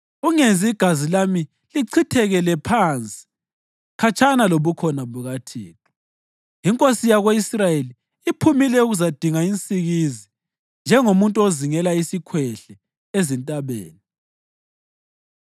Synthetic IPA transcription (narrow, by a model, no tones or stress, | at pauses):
uŋend͡zʱiiɡ̥ʱazilami | liǀʰitʰɛɣɛlɛpʰant͡sʼi̥ | kʰat͡ʃʰʼanaloβukʰɔnaβuɣatʰiːtʰʼɔ̥ | iŋkʼosijaɣweisrajeliː | pʰumilɛuɣuzad̥ʱiŋaint͡sʼiɣizi | nd͡ʒʱɛŋomuntʼuoziŋɛlaisikʰwɛɬɛ | ezintʼaβḛːni